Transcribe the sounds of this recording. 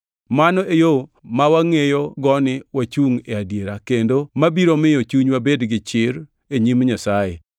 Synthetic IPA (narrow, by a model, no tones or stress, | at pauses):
manɔʔejomawaŋejoɡɔnɪwat͡ʃuŋeadjeɾakendomabiɾomɪjot͡ʃuɲwabedɡɪt͡ʃɪɾ | eɲimɲasaje